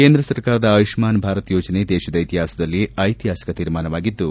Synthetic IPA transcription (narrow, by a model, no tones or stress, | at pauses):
keːnd̪ɾɐsɐɾkaːɾɐd̪ɐːʋiʃmaːnbʱaːɾɐt̪joːd͡ʒɐned̪ɛːʃɐd̪ɐit̪iɦaːsɐd̪ɐlːiɐjt̪iɦaːsɐ̥kɐt̪iːɾmaːnɐʋaːɡid̪ːu